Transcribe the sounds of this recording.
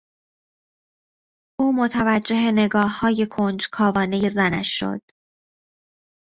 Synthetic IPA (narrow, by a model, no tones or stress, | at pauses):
ʔuːmo̞t̪ʰævæd͡ʒːe̞ɦe̞ne̞ɡɒːhːɒːje̞kʰond͡ʒkʰɒːvɒːne̞je̞zænæ̰ʃːo̰d̪̥